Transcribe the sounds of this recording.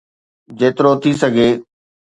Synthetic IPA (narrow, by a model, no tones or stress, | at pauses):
d͡ʑeːt̪ɪɾot̪ʰisɐɡʱeː